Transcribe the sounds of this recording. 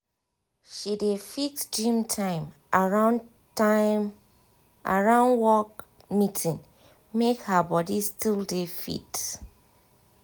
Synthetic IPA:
ʃidefiksd͡ʒĩmtʰãɪ̃m | ɹan | am | ʔa̰ɹãʊ̃nwɔk̚ | mitʰĩn | mekhabɔdistʰildefḭt

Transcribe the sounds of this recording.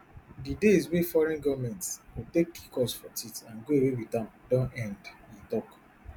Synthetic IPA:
dideis̬wefɔɹɛ̃nɡɔmɛ̃ntswitekːikɔsfɔtitãnɡoewewitãmdɔ̃nɛ̃ndĩntɔk

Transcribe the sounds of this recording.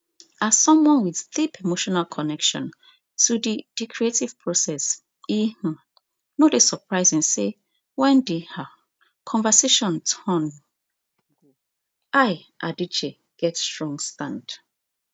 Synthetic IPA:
ḁsɔ̃mwɔ̃nwið̥θipʰemoʃɔnalkʰɔnɛkʃɔ̰̃n | tʰudid̥ikʰɹietiv̥pʰɹosɛs | ih̩ | nodesəpʰɹaɪzĩŋse | wɛ̃ndiha | kʰɔ̃ɱvəseʃɔ̃ntʰɔn | ɡo | aɪ | ʔadit͡ʃe | ɡ̥ɛtstɹɔ̃ŋstãnd

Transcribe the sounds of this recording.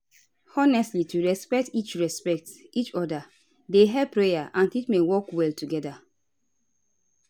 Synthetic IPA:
ɔnɛstlituɹɛspɛk̚tit͡ʃɹɛspɛk̚tit͡ʃɔda | deɦɛpːɹejaʔãntitmewɔkwɛltuɡɛda

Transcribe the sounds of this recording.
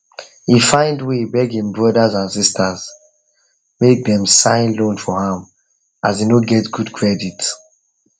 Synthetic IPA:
hifãɪ̃ndwebɛɡĩŋbɹɔdazãnsistʰaz | mek̚dɛ̃msãɪ̃nlõnfɔhãm | azinoɡɛtɡudkʰɹɛdit

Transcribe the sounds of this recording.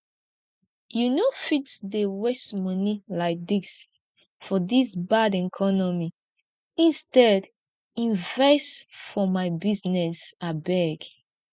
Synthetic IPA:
junofitsdewɛsmʌnilaɪk̚dis | fɔdisbadɛkʰɔnɔmi | ĩnstɛd | ĩnvɛstfɔmaɪbiznɛsabɛɡ

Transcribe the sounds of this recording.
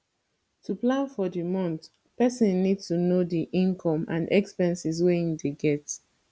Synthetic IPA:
tuplãnfɔdimɔ̃nt | pɛsĩnːidstunodiʔĩnkʰɔ̃mã̰nʔɛkspɛ̃nsisweĩdeɡɛt

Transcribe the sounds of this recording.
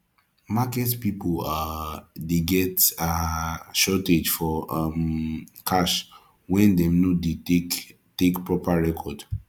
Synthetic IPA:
makɛtpipoladeɡɛtaʃɔted͡ʒfɔamkʰaʃ | wɛ̃ndɛ̃mnode | tekpɹɔpaɹɛkʰɔd

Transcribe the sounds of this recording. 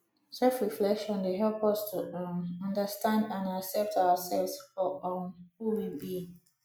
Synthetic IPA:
sɛlfɹiflɛkʃɔ̃ndeɦɛlpʌstʰuʌ̃ndəstãndãnaksɛp̚tawəsɛlvsɔɔhuwibi

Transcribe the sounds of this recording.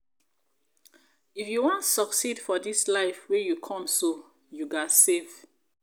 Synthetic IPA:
ifjuwɔ̃ntsɔksidfɔdislaɪfwejukʰɔ̃mso | juɡasevd

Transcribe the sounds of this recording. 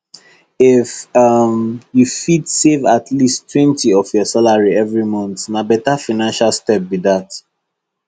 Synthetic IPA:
ɪfʌmjufidsevatʰlistʰːwɛ̃ntiɔfjɔsalaɹiɛvɹimɔ̃nθnabɛtafanãnʃalstɛp̚biðat

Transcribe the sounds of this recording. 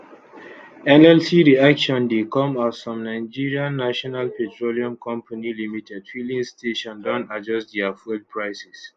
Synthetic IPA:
ɛnɛlsiɹiakʃɔ̃ndekɔ̃mazsɔ̃mnaɪd͡ʒiɹiãnːaʃɔnalpɛtʰɹoliɔ̃mkʰɔ̃mpʰanilimitʰɛdfilĩŋsteʃɔ̃ndɔ̃nad͡ʒɔstdiafɔd̚pʰɹaɪsɛs

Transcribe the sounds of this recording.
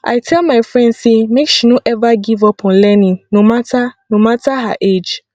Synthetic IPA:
ʔa̰jtʰɛlmajfɹɛ̃ndsemekʃinõʔɛvaɡivɔpʰɔ̃n̩lɛnĩŋnõmatʰanõmatʰaɦa̰ʔed͡ʒ

